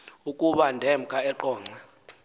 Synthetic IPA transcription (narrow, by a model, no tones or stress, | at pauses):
ukʼuɓandʱɛmkʼaɛǃɔːŋ͡ǀʱa